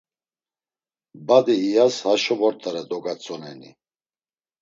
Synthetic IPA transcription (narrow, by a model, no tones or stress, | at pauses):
bad̪iːjashaʃɔvɔɾt̪ʰʼaɾɛd̪ɔɡat͡sʼɔnɛnḭ